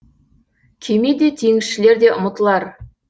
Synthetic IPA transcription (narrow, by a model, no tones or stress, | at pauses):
kʲʰemed̪e̞t̪ʰeŋɪsʃɪle̞ɾd̪e̞ʔʊmət̪əlˠɑɾ